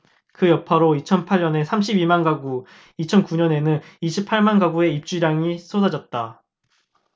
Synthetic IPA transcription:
kɯjʌpʰaɾoit͡ɕʰʌnpʰaɭɲʌne̞sʰamɕʰibimanɡaɡu | it͡ɕʰʌnkuɲʌne̞nɯniɕʰipʰːaɭmanɡaɡue̞ip̚t͡ɕ͈uɾjaŋisʰodad͡ʑʌt̚t͈a

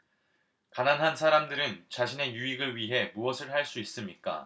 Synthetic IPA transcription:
kananɦansʰaɾamdɯɾɯnt͡ɕaɕʰine̞juiɡɯɭɥiɦe̞muʌsʰɯɭhaɭs͈uis͈ɯmɲik͈a̰

